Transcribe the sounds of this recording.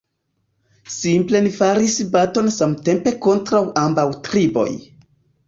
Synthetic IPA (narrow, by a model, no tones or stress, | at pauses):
simple̞nifaɾisbato̞nsamte̞mpe̞ko̞ntɾawʔambawtɾibo̞̰j